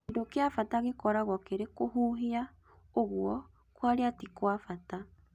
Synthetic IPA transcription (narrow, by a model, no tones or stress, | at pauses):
ndokeafataɣekɔɾaɣwɔkeɾekoɦuːɦea | oɣwɔ | kwaɾeatikwafata